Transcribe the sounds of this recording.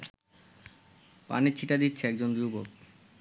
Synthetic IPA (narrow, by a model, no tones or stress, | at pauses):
pa̰net͡ɕʰiʈad̪itːɕʰeɛk̚d͡ʑond̪iwbok